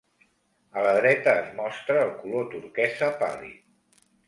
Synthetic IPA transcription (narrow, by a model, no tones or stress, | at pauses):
ələð̞ɾɛt̪əːzmɔst̪ɾəːlˠkulot̪uɾkɛzəpa̰lḭ